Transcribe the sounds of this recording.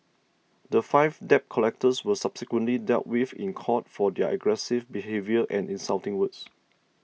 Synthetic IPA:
dəfaɪvdɛp̚kʰɔlɛk̚təswəsab̥sikwə̃ntlidɛ̰lt̚wiθḭ̃nkʰɔt̚fɔdɛʔə̰ɡɹɛsɪvbiɦevjəʔɛ̃nĩnsaltɪ̃ŋwəts

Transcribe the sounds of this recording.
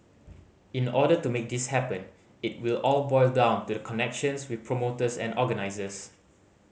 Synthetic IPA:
ĩnɔdətumek̚dishɛpə̃n | it̚wilɔlbɔɪldãʊ̃ntudəkʰɔnɛkʃə̃nswɪθpʰɹomotəsɛ̰̃nʔɔɡənaɪzəs

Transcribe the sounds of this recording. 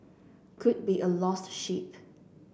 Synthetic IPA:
kʰʊd̚biʔəlɔsʃip

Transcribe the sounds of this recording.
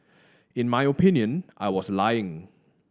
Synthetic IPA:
ɪ̃nmajopʰĩnjə̃nʔa̰ɪwɔslajɪ̃ŋ

